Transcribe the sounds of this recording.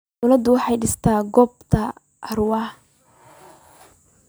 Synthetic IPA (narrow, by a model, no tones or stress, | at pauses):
wlɐd̪ʊwɑħɑjɖɪst̪ʰaːɡɔːbt̪ʰɐ | ʔɐrwɑː